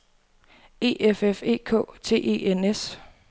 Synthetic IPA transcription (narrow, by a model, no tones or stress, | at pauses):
e̝̰ːʔefefe̝̰ːkʰɔ̰̽ːt͡sʰe̝̰ːʔe̝̰ːenes